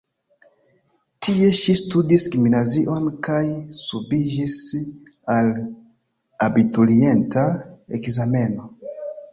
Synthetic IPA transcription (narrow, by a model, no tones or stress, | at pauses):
tʰie̞ʃistudiskiminaziʔo̞nkajsubid͡ʒis | al | abitulie̞ntaekzame̞no̞